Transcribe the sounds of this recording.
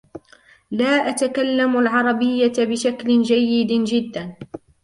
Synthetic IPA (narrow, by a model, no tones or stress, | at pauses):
laːʔat̪akalːamalʕɑɾˤɑbɪjːabɪʃaklɪnd͡ʒajːɪd̪d͡ʒɪd̪ːan